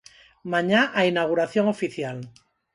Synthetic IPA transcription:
maɲaʔainaɣ̞uɾaθjoŋofiθjal

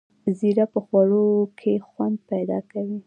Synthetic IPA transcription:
ziɾapəxwaɽokʰexwand̪̚pajd̪ɑ̰kawi

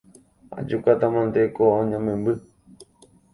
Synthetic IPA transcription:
a̰d͡ʒukat̪amãnd̪ekoõɲãmẽmbɨ

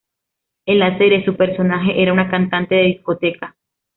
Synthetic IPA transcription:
elaseɾesupeɾso̞naɦe̞ʔeɾaunakant̪ant̪e̞ðeðisko̞t̪e̞ka

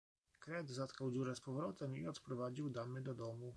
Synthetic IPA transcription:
kɾɛd̪zat̪kawd͡ʑuɾɛspɔvɾɔt̪ɛmiɔt̪pɾɔvad͡ʑiwd̪amɘd̪ɔd̪ɔmu

